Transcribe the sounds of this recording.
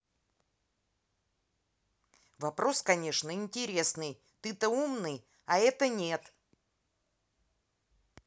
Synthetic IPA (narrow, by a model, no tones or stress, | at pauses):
vɐpɾo̞skɐnʲe̞ʂnəɪnʲtʲɪɾʲe̞snɨj | t̪ɨt̪əumnɨj | ɐɛt̪ənʲe̞t̪